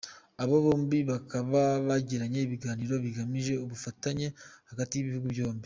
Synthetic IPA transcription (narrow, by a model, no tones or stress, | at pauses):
aβo̞βo̞ːmbiβakaβaβaɟiɾaɲe̞iβiɡaːniːɾo̞βiɡamiʒe̞uβufataɲe̞haɡatijiβihuɡuβjo̞ːmbi